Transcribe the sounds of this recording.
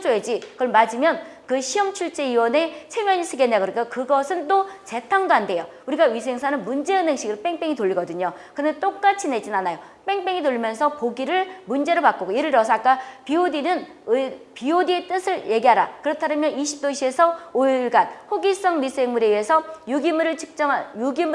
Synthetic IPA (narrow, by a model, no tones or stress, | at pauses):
t͡ɕoed͡ʑikɯmad͡ʑimjʌnkɯɕʰiɦʌŋt͡ɕʰuɭt͡ɕ͈e̞iwʌnet͡ɕʰe̞mjʌɲisʰɯɡenːaɡɯɾik͈ʰokɯɡʌsʰɯnt͈ot͡ɕe̞tʰaŋdoɦande̞jo | uɾiɡaɥis̬ʰe̞ŋsʰanɯnmund͡ʑe̞ɯne̞ŋɕ͈ʰiɡɯɭp͈e̞ŋp͈e̞ŋitoʎːiɡʌdɯɲokɯndet͈ok̚k͈at͡ɕʰine̞d͡ʑinanajo | p͈e̞ŋp͈eŋitoʎimjʌnsʰʌpoɡiɾɯɭmund͡ʑe̞ɾɯɭpak͈oɡoiɾɯɭɾʌsʰak͈apiodinɯn | piodie̞t͈ɯsʰɯɭje̞ɡiɦaɾa̰kɯɾʌtʰaɾɯmjʌniɕʰi̥p̚t͈oɕʰie̞sʰʌoiɭɡanhoɡis͈ʌŋmisʰeŋmuɾeiesʰʌjuɡimɾɯɭt͡ɕʰɯ̥k̚t͡ɕ͈ʌŋajuɡim